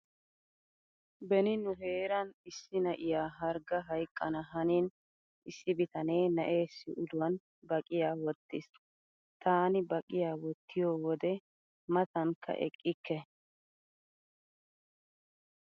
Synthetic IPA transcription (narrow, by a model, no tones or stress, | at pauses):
bɛnɪnʊɦe̞ːɾɐnɪsːɪnɐʔɪjaːɦɐɾɡɐɦɐjkʼːɐnɐɦɐniːn | ʔɪsːɪbɪt̪ɐne̞ːnɐʔe̞ːsːɪʔʊd̪ʊwɐn | bɐkʼɪjaːwɔt̪ːɪs | t̪ʰaːnɪbɐkʼɪjaːwɔt̪ːɪjoːwɔd̪ɛ | mɐt̪ɐŋkːɐ̰ʔɛ̰kʼːɪkːɛ